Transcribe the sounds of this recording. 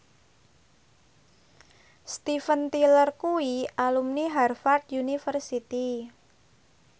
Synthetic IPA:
st̪ifənt̪ilərkuialumniɦarfart̪̚junifərsit̪i

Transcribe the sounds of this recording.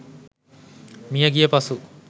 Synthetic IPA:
mijaɡijepasu

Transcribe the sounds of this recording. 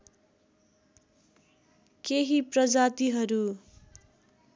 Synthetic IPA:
keɦiprʌd͡zat̪iɦʌɾu

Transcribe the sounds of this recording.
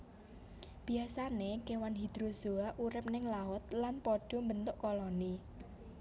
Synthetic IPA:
b̥i̤asanekewanɦid̪̥ɾoz̥o̤aʔuɾɪp̚nɪŋlaʊt̪̚lanpɔɖ̥ɔ̤mbənt̪ʊʔkɔlɔni

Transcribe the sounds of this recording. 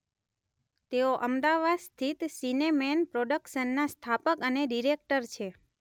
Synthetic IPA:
t̪eoʔəmd̪aʋad̪st̪ʰit̪sinemenpɾoɖəkʃənːast̪ʰapəkəneɖiɾek̚ʈəɾt͡ʃʰe

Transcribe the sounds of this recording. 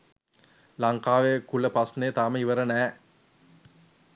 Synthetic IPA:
lɐŋkaːʋekuləpɐsnejt̪aːməiʋəɾənæː

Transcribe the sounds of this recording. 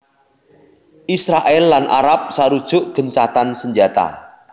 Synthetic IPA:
ʔisɾaʔɛlːanʔa̰ɾap̚saɾud̥ʒ̥ʊʔɡ̥ənt͡ʃat̪ansəɲd͡ʒat̪a̰

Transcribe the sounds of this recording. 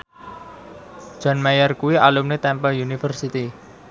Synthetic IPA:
d͡ʒ̥ɔ̤nmajərkuwialumnet̪ɛmpəljunifərsit̪i

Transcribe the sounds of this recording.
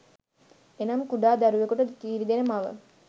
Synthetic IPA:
enɐmkuɖaːd̪æɾuʋekuʈəd̪kiːɾid̪enemaʋə̰

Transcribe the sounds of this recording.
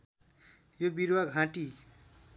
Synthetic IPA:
jobiɾwaɡʱãʈi

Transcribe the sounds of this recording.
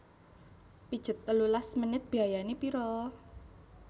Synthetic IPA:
pid̥ʒ̥ə̤t̪ːəlulasmənɪt̪̚b̥i̤ajanepiɾɔ

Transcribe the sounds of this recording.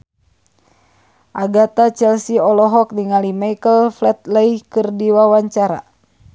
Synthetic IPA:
ʔaɡat̪at͡ʃɛlsiɔlɔɦɔk̚niŋalimajkəlflɛt̪̚ləihkɨrdiwawaɲt͡ʃaɾa̰

